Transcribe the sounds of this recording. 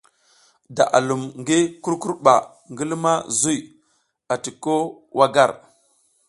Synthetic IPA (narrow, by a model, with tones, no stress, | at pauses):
da̰˨ʔa˨lu˨mŋɡi˦ku˦ɾku˦ɾɓa˨ | ŋɡi˦lma˦zu˦i˨ | a˨ti˨ko˦ | wʔa˦ɡa˦˨ɾ